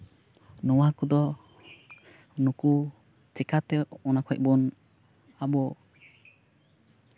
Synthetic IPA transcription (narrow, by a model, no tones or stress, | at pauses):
nɔwakɔd̪ɔ | nuku | t͡ʃɛkʰat̪ɛɔnakʰɔjʔ̚bɔn | abɔ